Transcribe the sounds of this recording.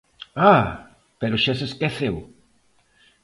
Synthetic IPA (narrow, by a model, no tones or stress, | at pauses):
a | peɾʊʃaseskeθew